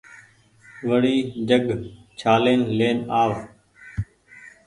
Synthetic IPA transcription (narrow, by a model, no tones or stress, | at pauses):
ʋəɽiːd͡ʒəɡt͡ʃʰaːleːnleːnaːʋ